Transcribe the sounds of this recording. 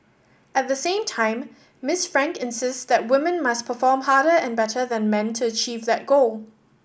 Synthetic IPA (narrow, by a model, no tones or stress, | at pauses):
ɛt̚ðəsẽɪ̃mtʰãɪ̃mː | ɪsfɹæ̃ŋkɪ̃nsɪstsðɛt̚wɪmə̃nmaspʰəfɔːmhaːɾəɛ̃nbɛtʰəðɛ̃nmɛ̃ntʰuət͡ʃʰiːvðɛt̚ɡ̥oʊlˠ